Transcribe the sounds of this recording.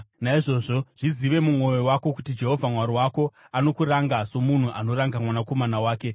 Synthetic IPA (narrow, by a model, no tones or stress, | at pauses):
naiʐo̞ʐo̞ʐ̥iziʋe̞mumwo̞jowako̞kutid͡ʒe̞ɦo̞vʱamwaɾiwako̞ | ano̞kuɾaŋɡaso̞mun̤uʔano̞ɾaŋɡamwanako̞manawaːke̞